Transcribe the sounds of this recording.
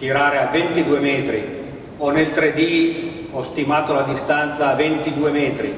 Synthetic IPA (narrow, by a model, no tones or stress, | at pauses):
t̪iɾaːɾeavent̪id̪uːemɛːt̪ɾi | onelt̪ɾed̪i | ɔst̪imaːt̪olad̪ist̪ant̪saːvent̪id̪uːemɛːt̪ɾḭ